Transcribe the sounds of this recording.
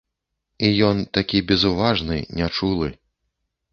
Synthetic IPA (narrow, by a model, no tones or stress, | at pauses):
ijɔnt̪akʲibʲɛzuvaʐnɨ̰nʲat͡ʂulˠɨ